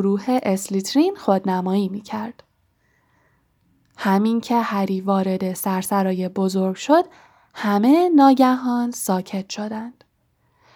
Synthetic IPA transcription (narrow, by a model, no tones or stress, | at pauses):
oɾuːhe̞ʔeslit̪ʰɾinxod̪næmɒːiːmiːcʰæɾd̪̥ | hæmincʰe̞hæɾiːvɒːɾe̞d̪e̞sæɾsæɾɒːje̞bo̞zo̞ɾɡʃo̞d̪̥ | hæme̞nɒːɟæɦɒːnsɒːcʰe̞t̪ʰʃo̞d̪ænd̪̥